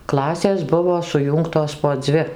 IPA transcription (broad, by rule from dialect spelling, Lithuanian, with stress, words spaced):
ˈklˠɑːsʲeːs ˈbʊʋoː sʊˈjuːŋktoːs poː ˈd͡zʲʋʲɪ